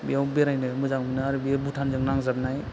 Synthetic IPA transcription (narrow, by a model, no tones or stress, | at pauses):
bḭawbeɾajnɯmɯzaŋmɯnɯaɾɯbiabutʰanzɯŋnaŋzab̚naj